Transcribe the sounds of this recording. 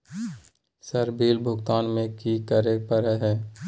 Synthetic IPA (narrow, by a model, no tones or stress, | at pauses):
səɾbʱiːlbʱʊɡt̪aːnmẽkikəɾepəɾəɦɛː